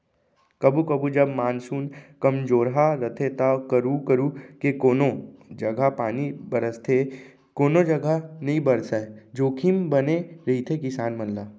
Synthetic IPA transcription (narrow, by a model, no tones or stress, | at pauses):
kɐbukɐbud͡ʒɐbmaːnsuːnkɐmd͡ʒoːɾɦaɾət̪ʰet̪akəɾukəɾukekoːnõd͡ʒɐɡʱapaːnibəɾəst̪ʰe | koːnod͡ʒɐɡanɐɦĩbəɾsad͡ʒoːkʰimbɐneɾɐit̪ʰekɪsaːnmɐnlaː